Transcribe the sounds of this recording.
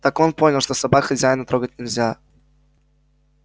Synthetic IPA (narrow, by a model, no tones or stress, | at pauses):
t̪akonponʲɪlˠʂt̪osɐbakxɐzʲajɪnət̪ɾoɡətʲnʲɪlʲzʲa